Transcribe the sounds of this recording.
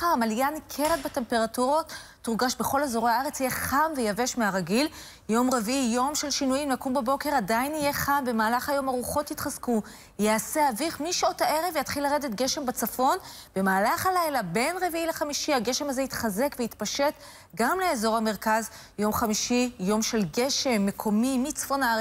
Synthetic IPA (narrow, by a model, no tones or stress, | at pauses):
amaljankʰeʁedbate̞mpe̞ʁatuʁo̞t̪ː | uʁɡaʃbe̞χo̞lezo̞ʁeaaʁet͡sijeχamvejave̞ʃmeaʁaɡil | jo̞mʁe̞viʔijo̞mʃe̞lʃinujimlakumbebo̞ke̞ʁadainije̞χambe̞maːlaχhajo̞maʁuχo̞t̪it̪χazku | jease̞aviχmiʃo̞tae̞ʁe̞vjat̪χilːaʁedet̪ɡe̞ʃe̞mbat͡safo̞nb̥e̞maːlaχhalajlabe̞nʁe̞viʔileχamiʃiaɡe̞ʃe̞mazeit̪χaze̞kveit̪paʃe̞t | ɡamle̞ezo̞ʁhame̞ʁkaz | jo̞mχamiʃijo̞mʃe̞lɡe̞ʃe̞mːe̞kʰo̞mimit͡sfo̞naa